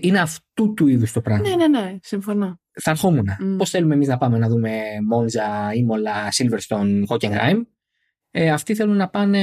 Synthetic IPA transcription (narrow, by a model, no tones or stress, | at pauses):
ine̞ɐft̪ut̪uiðust̪o̞pɾɐɣnenenesiɱfono | θɐnxomunɐpo̞sθe̞lumemiznɐpɐme̞nɐðume̞mo̞nzɐimo̞lɐsilveɾst̪o̞nɣoceŋɡɾɐ̰jm | eɐft̪iθe̞lunnɐpɐne